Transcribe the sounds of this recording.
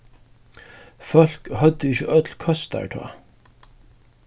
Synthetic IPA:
fœl̥khœd̪ːəɪçəʔœt̪lkʰœst̪æ̰ɹʈʰɑ̰ː

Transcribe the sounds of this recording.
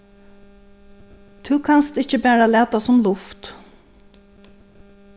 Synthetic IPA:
t̪ʰʉːkʰanst̪ɪt͡ɕəbæːɹalæːt̪asʊmlʊft̪

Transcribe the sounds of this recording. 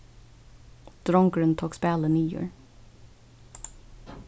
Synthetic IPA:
d̪̥ɾɔŋɡɹʉnt̪ʰoːkspæːlənyːjʉ̰ːɹ

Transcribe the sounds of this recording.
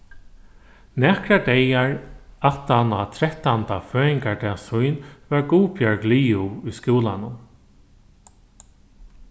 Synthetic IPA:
nakɾad̪ɛjaɹat̪anat̪ʰɾɛht̪ant̪aføːɪŋkad̪ɛasujnvaɹɡuːpʰjœɹkliːuʊjskuːlanʊn

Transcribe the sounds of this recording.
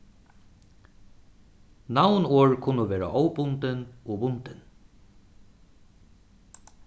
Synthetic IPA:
nawnoːɹkʰʊnʊʋeːɹa̰ʔɔwbʊnt̪ɪnɔːbʊnt̪ɪn

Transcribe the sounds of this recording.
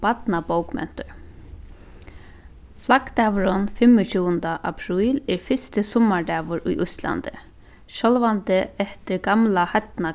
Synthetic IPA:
bat̪nabowkmɛ̰n̥t̪ʊɹ | flakt̪aʋɾʊnfɪmːʊt͡ɕʰuːənd̪aʔapʰɾuːlɛɹfɪst̪ɪsɔmːaɹɖ̪ɛːʋʊɾʊ̰jʔʊst̪la̰nt̪ɪ̰ | ʃɔlvant̪ɪɛht̪ɪɾɡamlahat̪na

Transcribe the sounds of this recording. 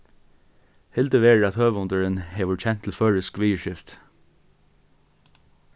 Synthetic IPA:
hɪld̪əʋeːɑt̪høːʋʊnd̪əɹənheːʋʊçɛnt̪ʰl̩føːɹəskʋiːəʃɪft̪

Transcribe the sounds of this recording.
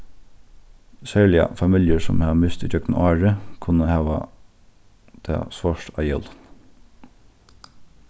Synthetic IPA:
sæːlɪɑ̰fɑmɪljəɹsɔ̰mhɑːmɪst̪iːd͡ʒœknʔɑːɹəkʰʊnəhɑːʋɑ̰ | t̪ʰḛːsʋɔʃtʰɑ̰jɛl

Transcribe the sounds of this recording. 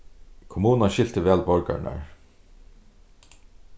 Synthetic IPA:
kʰʊmuːnaʃɪl̥t̪əvæːlbɔɹka̰ɹna̰ɹ

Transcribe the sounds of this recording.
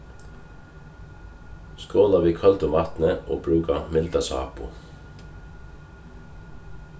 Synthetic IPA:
skoːlɑʋiːkʰɑlt̪ʊmɑːt̪n̩əʔo̰ːbɹʉːɡɑmɪld̪ɑsɑ̰ːpʊ̰

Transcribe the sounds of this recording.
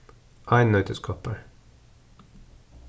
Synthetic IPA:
ʔɑɪnnœʏt̪ʰəskʰɑpəɾ

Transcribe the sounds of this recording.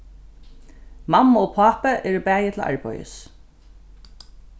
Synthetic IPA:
mamːaopʰaːpəʔɛɾɪbæːjɪt̪ʰɪla̰ɹpɔ̰jə̰s

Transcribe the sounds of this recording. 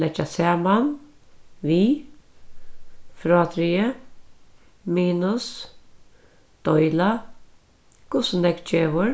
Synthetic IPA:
lɛt͡ʃasɛːman | ʋiː | fɾɔːt̪ɾiə | miːnʊs | d̪̥ɔjla | kʊsʊnɛkt͡ʃeːʋʊɹ

